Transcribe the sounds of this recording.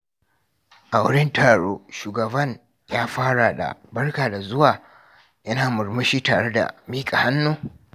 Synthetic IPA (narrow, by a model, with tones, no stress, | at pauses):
ʔa˨wʊ̰˦ɽɪ˦ntʰaː˨ɽoː˦ʃuː˨ɡɐ˨bɐ˦ɲ | jaː˦ɸaː˦ɽa˨da̰˨bɐ˦rkaː˨da˨zʊ˦waː˨ | jɐ˦naː˨mʊ˨ɾmʊ˦ʃiː˦taː˨ɽe˦da̰˨miː˦kʼa˨ha˦nːoː˦